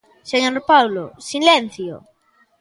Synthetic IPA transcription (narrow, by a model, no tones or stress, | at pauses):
seɲoɾpawlo̰silen̟θjo̰